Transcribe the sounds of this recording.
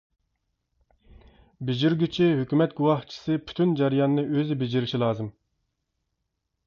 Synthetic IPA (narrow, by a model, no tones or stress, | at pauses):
bed͡ʒiɾɡʲyt͡ʃʰiɦøkʲymɛt̪ɡuwɑht͡ʃʰi̥sɨpʰy̥t̪ʰynd͡ʒɛɾijɑnnɨʔøzɪbed͡ʒiɾɪʃilˠɑːzɨm